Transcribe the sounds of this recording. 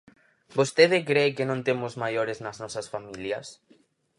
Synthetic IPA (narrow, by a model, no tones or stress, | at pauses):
bost̪eðɪkɾeːkɪnõnt̪emʊzmajoɾeznɐznɔsɐsfamiljɐs